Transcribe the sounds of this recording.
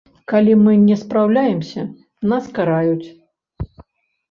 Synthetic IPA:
kalʲimɨnʲɛspɾawlʲajɛmsʲɐ | naskaɾajut͡sʲ

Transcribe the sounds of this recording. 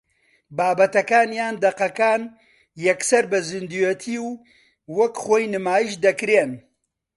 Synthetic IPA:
baːbɐt̪ɐkaːnjaːnd̪ɐqɐkaːn | jɐksɐɾbɐzɨnd̪ujet̪ʰiːw | wɐkχoːjnɨmaːjiʃd̪ɐkɾeːn

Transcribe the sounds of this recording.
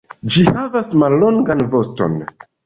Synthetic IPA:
d͡ʒihavasmalːo̞ŋɡanvo̞sto̞̰n

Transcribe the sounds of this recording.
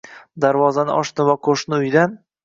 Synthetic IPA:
d̪aɾvɒzanɪ̰ʔɒʃnɪvaqʰoʃnɪʊjd̪an

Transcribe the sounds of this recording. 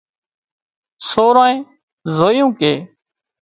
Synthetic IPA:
soːɾãːẽː | zoːjũːkeː

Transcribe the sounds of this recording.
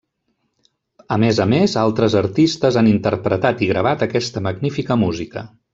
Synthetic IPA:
əmezəmezalˠt̪ɾəzəɾt̪ist̪əzanint̪əɾpɾət̪at̪iɣɾəβ̞at̪əkɛst̪əməɡnifikəmuzikə̰

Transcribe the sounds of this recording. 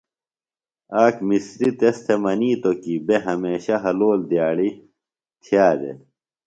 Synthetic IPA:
aːkmisɾit̪est̪ʰemɐniːt̪okibeɦɐmeːɕɐɦɐloːld̪jaːɽi | t̪ʰijaːd̪ḛ

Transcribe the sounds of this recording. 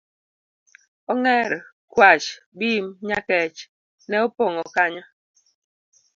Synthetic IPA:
ɔŋɛɾ | kwat͡ʃbiːmɲakɛt͡ʃ | nɛɔpɔŋɔkaɲɔ

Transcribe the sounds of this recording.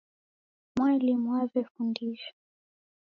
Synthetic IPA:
mwalimwavɛfundiʃḁ

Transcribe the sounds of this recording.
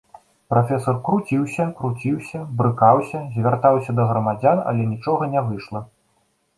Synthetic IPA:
pɾafʲɛsɐrkɾut͡sʲiwsʲɐkɾut͡sʲiwsʲɐbɾɨkawsʲɐzʲvʲart̪awsʲɐd̪ɐɣɾɐmad͡zʲanɐ̰lʲɛnʲit͡ʂɔɣɐnʲɛvɨʂlˠɐ

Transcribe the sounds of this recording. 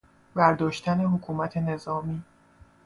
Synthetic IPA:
bæɾd̪ɒːʃt̪æne̞ɦokʰuːmæt̪ʰe̞ne̞zɒːmiː

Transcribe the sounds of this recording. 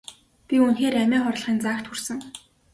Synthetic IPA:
pʲiunxeːræmæːχɔr̆ɮχiːnt͡saːkt̪xursɘ̆ŋ

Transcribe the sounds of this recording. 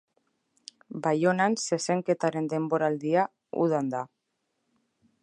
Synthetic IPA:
bajo̞nanse̞se̞ŋke̞t̪aɾe̞nd̪e̞mbo̞ɾald̪ia | ṵð̞and̪a

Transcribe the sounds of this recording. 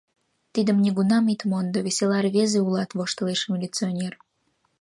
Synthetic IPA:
t̪id̪əmnʲiɡunɑmit̪mond̪ovʲβesʲelɑrβezeulɑt̪βoʃt̪ə̆leʃmʲilʲit͡sionʲer

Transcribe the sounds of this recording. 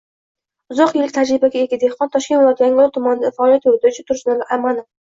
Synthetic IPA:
ʊzɒqjelɪk̚ʲt̪ʰad͡ʒɾɪbaɡʲaeɡʲad̪ehqɒnt̪ʰɒʃkʲenvlˠɒd̪jaŋʊlˠt̪ʰʊmanɪd̪afaɒːlijat̪jot̪ʰɪɾt͡ʃʰɪt̪ʰʊɾʃnɪlaamanɪ

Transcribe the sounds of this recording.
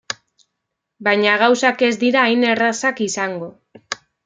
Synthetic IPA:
bajɲaɣ̞awsake̞zd̪iɾaːjne̞rasakisaŋɡo̞

